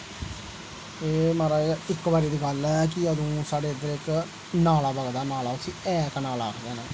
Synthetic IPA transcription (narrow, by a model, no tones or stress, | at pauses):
eːməɾaːɪkːʋaːɾiːd̪iːɡəlɛkɪəd̪ũːsaːɖeːd̪əɾɪk | naːlaːbəɡd̪aːnaːlaːʊsiːɛːknaːla̰ːkd̪eːneː